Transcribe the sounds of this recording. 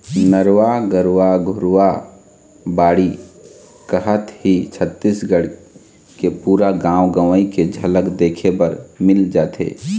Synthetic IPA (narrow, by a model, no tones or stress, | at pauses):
nəɾwaɡəɾwaɡʱʊɾwa | baːɽi | kəɦət̪hit͡ʃʰət̪ːisɡəɽ | kepuːɾaɡãːwɡəʋəiked͡ʒʱələkd̪eːkʰebəɾmɪld͡ʒaːt̪ḛː